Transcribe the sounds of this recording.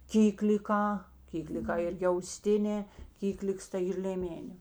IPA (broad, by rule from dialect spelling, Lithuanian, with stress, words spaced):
ˈkʲiːklʲɪˌkɑː ˈkʲiːklʲɪˌkɑː ˈɪrʲɡʲɪ ɐʊˈsʲtʲɪnʲɛː ˈkʲiːklʲɪks tɐɪ ˈiːr lʲeːˈmʲæːnʲeː